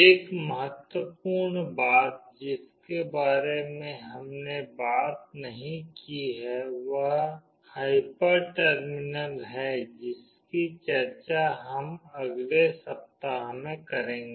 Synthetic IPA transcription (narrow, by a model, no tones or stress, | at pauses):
eːkməɦət̪wəpuːɾɳbaːt̪̚d͡ʒɪskebaːɾemẽɦɐmnebaːt̪̚nɐɦĩkiɦɛʋəɦ | haːɪpəɾʈəɾmɪnəlɦɛd͡ʒɪs | kit͡ʃəɾt͡ʃaɦɐmɐɡlesɐp̚t̪aɦmẽkɐɾẽːŋɡeː